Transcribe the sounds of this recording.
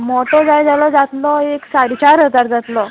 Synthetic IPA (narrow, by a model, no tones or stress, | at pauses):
mɔʈɔd͡zajd͡zalɔd͡zat̪lɔeksaɾt͡ɕaɾət̪aɾd͡zat̪lɔ